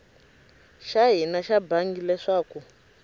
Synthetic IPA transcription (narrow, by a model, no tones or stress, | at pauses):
ʃaɦinaʃabaŋɡilɛʂaːku